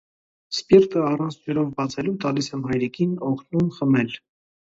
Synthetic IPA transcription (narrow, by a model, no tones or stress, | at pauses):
spirt̪əɑrɑnt͡sʰd͡ʒɛɾɔvbɑt͡sʰɛlut̪ɑlisɛmhɑjɾikʰinɔkʰnumχəmɛl